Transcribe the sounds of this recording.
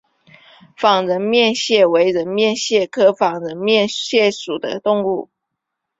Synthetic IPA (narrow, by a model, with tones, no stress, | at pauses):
fɑ˨˩ŋɻə˧˥nmjɛ˥˧nɕjɛ˥˩we˧˥ɪɻə˧˥nmjɛ˥˧nɕjɛ˥˩kʰɤ˥fɑ˨˩ŋɻə˧˥nmjɛ˥˨nɕjɛ˥˩ʂu˨˩d̪ə̰˦t̪ʊ˥˧ŋu˥˩